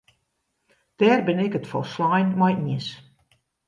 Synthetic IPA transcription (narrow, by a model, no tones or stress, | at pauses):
d̥ɛːrbɪnɪkətfɔ̰lˠslɔjnmɔjiəs